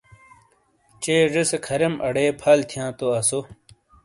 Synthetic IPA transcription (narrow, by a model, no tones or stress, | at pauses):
t͡ɕeːʐesekʰɐɾɐmʔɐ̰ɽeːpʰɐːlt̪ʰjãːt̪oɐso